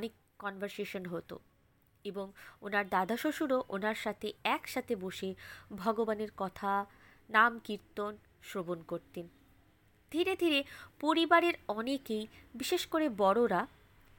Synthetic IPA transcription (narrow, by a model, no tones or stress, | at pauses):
ɔnekːɔnbʱaɾseʃonɦot̪o̰ | eboŋonaɾd̪ad̪ʱaʃoʃuɾoʔonaɾʃat̪ʰeɛkʃat̪ʰeboʃebʱɔɡobaneɾkɔt̪ʰa | namkiɾt̪on | ʃɾobonkoɾt̪en | d̪ʱiɾed̪ʱiɾepoɾibaɾeɾɔnekejbiʃeʃkoɾebɔɽoɾa